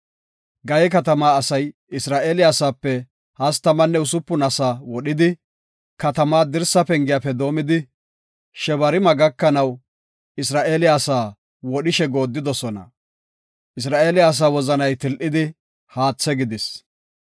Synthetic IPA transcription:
ɡɐjɛkɐt̪ɐmaːsɐj | ɪsɾaːʔeːlɪjaːsaːpːɛ | hɐst̪ɐmɐnːɛʊsʊpːʊnɐsaːwɔɗɪd̪ɪ | kɐt̪ɐmaːd̪ɪɾsɐpɛŋɡɪjaːpɛd̪o̞ːmɪd̪ɪ | ʃɛβɐɾɪmɐɡɐkːɐnɐw | ɪsɾaːʔeːlɪjaːsaː | wɔɗɪʃɛɡo̞ːd̪ːɪd̪ɔsɔnɐ̰ | ʔɪs̬ɾaːʔeːlɪjaːs̬aːwɔzɐnɐjt̪ɪlʔɪd̪ɪ | haːt͡sːɛɡɪd̪ɪs

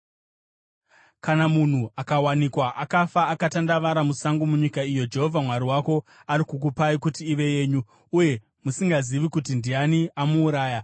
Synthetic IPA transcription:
kanamun̤uakawanikwaʔakafaːkatandaʋaɾamusaŋɡomuɲikaijo̞d͡ʒe̞ɦo̞vʱamwaɾiwako̞aɾikuk̬upaikutiːʋe̞je̞ːɲu | uje̞ | musiŋɡaziʋikutindianiamuːɾaːja

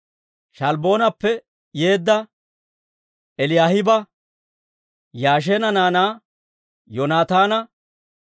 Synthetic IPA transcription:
ʃɐlbo̞ːnɐpːɛ | je̞ːd̪ːɐ | ɛlɪjaːhɪbɐ | jaːʃ̬eːnɐnaːnaː | jɔnaːt̪aːnɐ

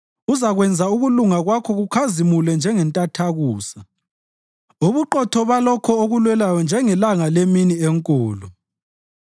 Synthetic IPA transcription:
uzaɣwɛnd͡zʱauɣuluŋaɣwakʰɔɣukʰazimulɛnd͡ʒʱɛŋɛntʼatʰaɣuːsa | uβuǃɔtʰɔβalɔkʰɔoɣulwɛlajɔnd͡ʒʱɛŋɛlaŋaleminieŋkʼuːlɔ

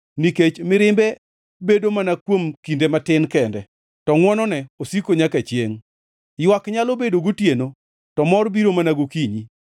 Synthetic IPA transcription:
niket͡ʃmɪɾɪmbɛ | bedomanakwomkindematɪnkɛndɛ | tɔŋwɔnɔnɛosikoɲakat͡ʃjeŋ | jwakɲalobedoɡutjeno | tɔmɔrbiɾomanaɡokiɲi

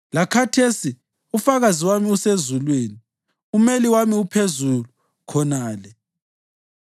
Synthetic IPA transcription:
lakʰatʰesi | ufaɣaziwamiusezulweːni | umeliwamiupʰezulu | kʰɔnaːlɛ

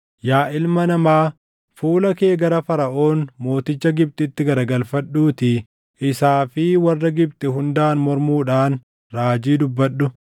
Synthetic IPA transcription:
jaːʔɪlmɐnɐmaː | fuːlɐke̞ːɡɐɾɐfɐɾɐʔo̞ːnmo̞ːt̪ɪt͡ʃːɐɡɪb̚t̪ɪt̪ːɪɡɐɾɐɡɐlfɐᶑːuːt̪ɪ | ʔɪsaːfɪwɐrːɐɡɪb̚t̪ɪɦʊnd̪aːnmɔɾmuːᶑaːn | ɾaːd͡ʒiːd̪ʊbːɐᶑːʊ

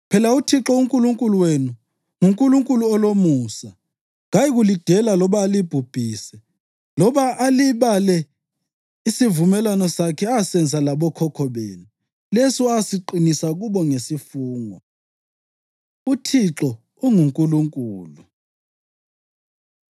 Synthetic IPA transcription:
pʰɛlautʰiǁɔuŋkʼuluŋkʼuluwenu | ŋuŋkʼuluŋkʼuluɔlomuːsa | ŋajiɣulid̥ʱɛlalɔβaːlib̥ʱub̥ʱiːsɛ | lɔβaaliβalɛ | isivumɛlwanɔsakʰɛasɛnd͡zʱalaɓɔkʰɔkʰɔβeːnu | lesɔasiǃinisaɣ̬uɓɔŋesifuːŋɔ | utʰiǁɔ | uŋuŋkʼuluŋkʼuːlu

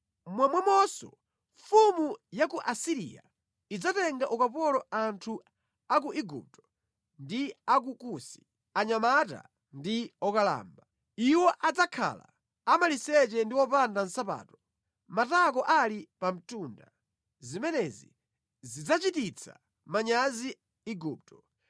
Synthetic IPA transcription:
mwamwɛmɔsɔ̰ | ɱfumujakuʔasiɾḭja̰ | id͡zatɛŋɡaʔukapɔlɔantʰu | ak̬uʔiɡṵp̚tɔ̥ | ndiak̬ukusi̥ | aɲamata̰ | ndiɔkala̰ːmba | iwɔʔad͡zakʰa̰la̰ | amalisɛt͡ʃɛndiwɔpandan̩sapa̰ːtɔ | matak̬ɔʔalipam̩tunda | zimɛnɛzḭ | zid͡zat͡ʃitit͡sʰa̰ | maɲazi | iɡuːp̚tɔ

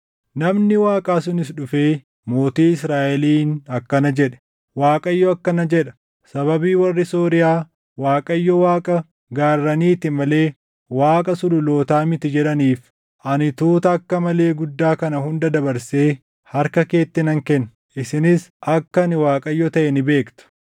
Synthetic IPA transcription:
nɐmnɪwaːkʼaːsʊnɪsᶑʊfeː | mo̞ːt̪iːɪsɾaːʔɛliːnɐkːɐnɐd͡ʒɛᶑɛ̥ | waːkʼɐjːɔɐkːɐnɐd͡ʒɛᶑɐ̥ | sɐbɐbiːwɐrːɪsoːɾɪjaː | waːkʼɐjːɔwaːkʼɐ | ɡaːrːɐniːt̪ɪmɐle̞ː | waːkʼɐsʊlʊlo̞ːt̪aːmɪt̪ɪd͡ʒɛᶑɐniːf | ʔɐnɪt̪uːt̪ɐːkːɐmɐle̞ːɡʊd̪ːaːkɐnɐhʊnd̪ɐd̪ɐbɐɾse̞ː | hɐɾkɐke̞ːt̪ːɪnɐŋkɛn | ʔɪsɪnɪsʔɐkːɐnɪwaːkʼɐjːɔt̪ɐʔɛnɪbe̞ːkt̪ʊ̥

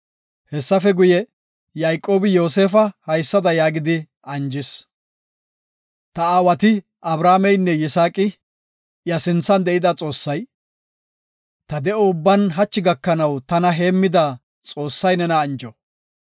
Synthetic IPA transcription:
hɛsːɐfɛɡʊjɛ | jajkʼːo̞ːbɪjo̞ːse̞ːfɐhɐjsːɐd̪ɐjaːɡɪd̪ɪ | ʔɐnd͡ʒɪs | t̪ɐaːwɐt̪ɪ | ʔɐbɾaːmɛjnːɛjɪsaːkʼɪ | jɐsɪnt͡sːɐnd̪ɛʔɪd̪ɐt͡sʼo̞ːsːɐj | t̪ɐd̪ɛʔoʊbːɐnɦɐt͡ʃːɪɡɐkːɐnɐwt̪ɐnɐɦe̞ːmːɪd̪a | t͡sʼo̞ːsːɐjnɛnɐːnd͡ʒɔ

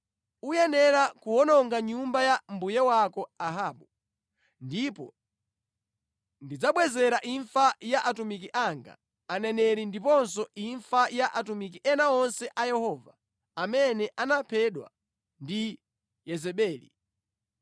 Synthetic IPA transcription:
ujɛnɛɾakuɔnɔŋɡaɲumbajambujɛwakɔaɦaːɓu | ndipɔ̰ | ndid͡zaɓwɛzɛɾaʔiɱfajaʔatumikiʔaŋɡa̰ː | nɛnɛɾindipɔns̬ɔʔiɱfajaʔatumik̬iʔɛnaɔnsɛʔajɛhɔːva | amɛnɛʔanapʰɛɗwa̰ | ndi | jɛzɛɓɛːlḭ

